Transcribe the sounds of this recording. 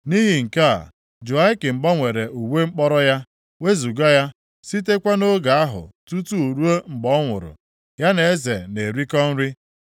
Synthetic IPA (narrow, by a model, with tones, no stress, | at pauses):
ni˦ɦi˨ŋ̩˨ka̰˦˨ | d͡ʒu˨a˦i˦kɪ˨m̩˨ɡ͡bɔ˦ŋʷe˨ɾe˨ʔu˨we˦ŋ͡m̩˦k͡pɔ˦ɾɔ˦ja˦ | we˦zu˨ɡa˦ja˦ | si˦te˦kʷa˦no˦ɡa˨a˦ɦʊ̰˨tu˦tu˦u˨ɾu˦o˦ŋ͡m̩˨ɡ͡bɔ˦ŋʷʊ̰˨ɾʊ̰˨ | ja˦ne˨e˦ze˨ne˨ɾi˦kɔ˦n̩˦ɾi˦